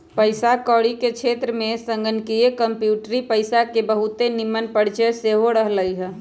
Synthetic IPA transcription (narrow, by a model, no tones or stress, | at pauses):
pəɪsakɔːɽikekt͡ʃʰet̪ɾəmẽsə̃ŋɡənkiekəmpjuːʈɾipəɪsakebəɦut̪enimːənpəɽ̤t͡ʃeseɦoɾəɦləjɦɛ